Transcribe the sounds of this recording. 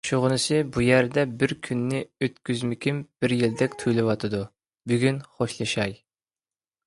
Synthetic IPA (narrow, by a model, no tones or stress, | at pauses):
ʃoʁʊnɨsɨbujæɾd̪ɛbɪɾkʲʰynːɪøt̪kʲyzmɪkʲʰimb̥ɪɾjild̪ɛkʲt̪ʰujlˠɪwɑt̪ʰɨd̪u | byɡʲynχoʃlˠɨʃɑj